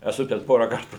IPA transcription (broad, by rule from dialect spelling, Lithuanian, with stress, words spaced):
ɛˈsʊ tʲɛn ˈpoːrɐ ˈkɐrtʊ